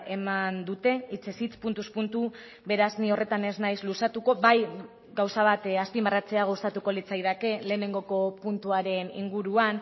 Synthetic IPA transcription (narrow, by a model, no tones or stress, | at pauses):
e̞mand̪ut̪e̞it͡sesit͡spunt̪uspunt̪u | βe̞ɾaznio̞re̞t̪ane̞znajzlusat̪uko̞βaj | ɡawsaβ̞at̪aspimbarat͡se̞aɣawst̪at̪uko̞lit͡sajð̞ake̞le̞ːne̞ŋɡo̞ko̞punt̪uaɾe̞nḭŋɡuɾuan